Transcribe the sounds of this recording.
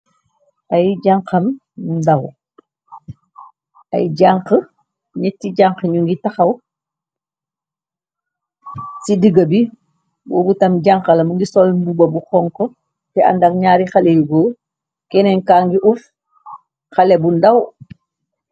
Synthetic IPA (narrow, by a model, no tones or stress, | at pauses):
ʔɐjɟaŋkɐm | ndaw | ɐ̰jɟaŋkə | ɲɛtːiɟaŋkəɲuŋɡitaxɐw | sidiɡɐbi | boːbutɐmɟaŋkɐlɐmuŋɡisɔlbubɐbuxɔŋkɔ | tɛa̰ndakɲaːɾixalejuɡoː | kɛnɛnkaːŋɡiʔuf | xalebundaw